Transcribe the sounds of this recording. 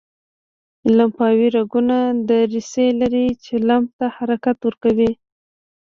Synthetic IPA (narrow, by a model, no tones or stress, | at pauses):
lampɑwiɾaɡunad̪əɾiselaɾit͡ʃelamb̚t̪ahaɾakat̪wəɾkawi